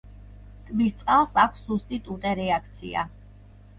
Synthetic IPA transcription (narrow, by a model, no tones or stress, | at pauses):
t̪ʼmist̪sʼqʼalˠsakʷʰsːust̪ʼit̪ʼut̪ʼɛɾɛakʰt̪sʰḭa̰